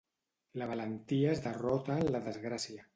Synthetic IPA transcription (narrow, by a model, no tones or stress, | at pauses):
laβ̞alənt̪iaezðərɔt̪alaðəzɣɾasia